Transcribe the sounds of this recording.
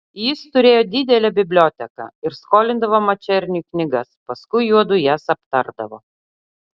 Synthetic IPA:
jɪst̪ʊɾʲeːjoːd̪ʲɪd̪ʲɛlʲɛbʲɪbʲlʲoːt̪ʲɛkɑ̰ɪɾskoːlʲɪnd̪ɐʋoːmɐt͡ʃʲɛɾʲnʲuːknʲɪɡɐspɐskʊɪjuɔd̪ʊjæsɐpt̪ɐɾd̪ɐʋo̰ː

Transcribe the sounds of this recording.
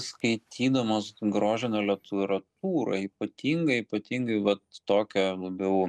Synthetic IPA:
skɐɪt̪ʲʰiːd̪ɐmoːsɡɾoːʒʲɪnʲolʲɛt̪uɾɐt̪uːɾɐ̰iːpɐt̪ʲiːŋɡɐɪiːpɐt̪ʲiːŋɡɐɪʋɐt̪t̪oːkʲɛlˠɐbʲɛʊ

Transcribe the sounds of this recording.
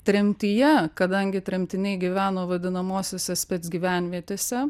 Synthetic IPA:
t̪ʲɾʲɛmʲt̪ʲijɛkɐd̪ɐŋʲɡʲɪt̪ʲɾʲɛmʲt̪ʲɪnʲɛɪɡʲiʋʲæːnoːʋɐd̪ʲɪnɐmoːsʲoːsʲɛsʲpʲɛt̪sɡʲiːʋʲæˑnʲʋʲiɛt̪ʲeːsʲɛ

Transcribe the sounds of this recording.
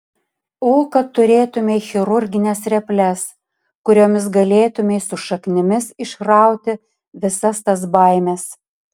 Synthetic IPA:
oːkɐtt̪ːʊɾʲeːt̪ʊmʲeɪxʲɪɾʊɾʲɡʲɪnʲɛsɾʲɛpʲlʲɛs | kʊɾʲoːmʲɪsɡɐlʲeːt̪ʊmʲeɪsʊʃɐknʲɪmʲɪsɪʃkɾɑˑʊt̪ʲɪ | ʋʲɪsɐst̪ɐs̬bɐɪmʲɛs

